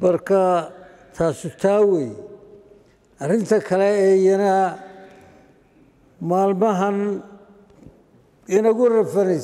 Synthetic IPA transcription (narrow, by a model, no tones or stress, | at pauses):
mɐrkʰa | t̪ʰaːsʊt̪ʰaːwɛːj | ʔɐrɪnt̪ʰɐkʰɐlɛɛːjɐnɐ | maːlmɐɦɐn | ɪnɐɣʊrɐfɐnɛs